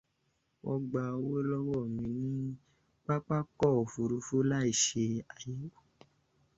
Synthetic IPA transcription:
wʔɔ˧ɡ͡ba˧o˧wo˦lɔ˦wɔ˦˨mĩ˧nĩ˦ | k͡pa˦k͡pa˦kɔ˦˨o˨fu˧ɾu˧fu˦la˦i˦˨ʃe˧a˨ji˨˦wo˦

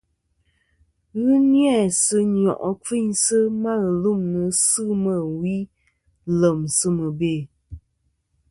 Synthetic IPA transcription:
ɣɨ˦njɛ˦˨sɨ˦ɲ˨ɔ̰˨ʔɔ˨ki˦ɲsɨ˦ma˦ɣɨ˨lu˦˨mnɨ˨sɨ˦mə˦˨wi˦ | lə˨msɨ˦mə˨be˨

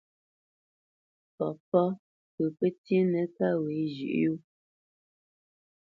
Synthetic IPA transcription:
pɔ˨pɔ˦ | pə˨pə˦tji˦nɛ˨ka˦we˨˦d͡ʒʉ̰˨ʔju˦

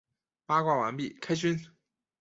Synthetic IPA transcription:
pa˥kwa˥˩wa˧˥npi˥˩kʰa˥ɪt͡ɕy˥n

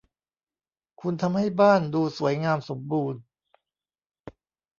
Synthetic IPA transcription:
kʰu˧nt̪ʰa˧mha˥˩jbaː˥˩nduː˧su˩˦ɐjŋaː˧mso˩˦mbuː˧n

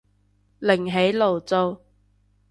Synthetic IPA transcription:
lɪ˨˩ŋɦe˨˥jlo˨˩wt͡so˧w

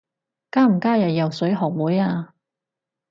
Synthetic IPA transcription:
kaː˥m̩˨˩kaː˥jɐ˨jjɐ˨wsɵ˨˥ɥɦɔː˨˩k̚wuː˨˥jaː˧

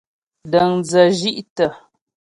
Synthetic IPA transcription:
də˨ŋd͡zə˨ʒi˦ʔtə˨

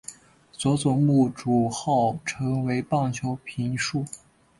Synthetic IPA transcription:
t͡swɔ˧˥t͡sʊ˨˩ŋmu˥˩ʈ͡ʂu˨˩xɑ˥˩ʊʈ͡ʂʰɤ˧˥ŋwe˧˥ɪpɑ˥˩ŋt͡ɕʰjo˧˥ʊpʰi˧˥nʂu˥˩

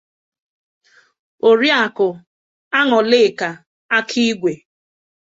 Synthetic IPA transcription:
o˨ɾi˦a˨kʊ˨ | a˦ŋɔ˨lɪ˦˨ka˨ | a˦kʰi˦ɡʷe˨

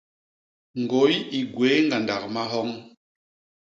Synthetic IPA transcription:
ŋɡo˨˦ji˨ɡwe˨˦ŋɡa˨nda˨k̚ma˦ɦɔ˦ŋ

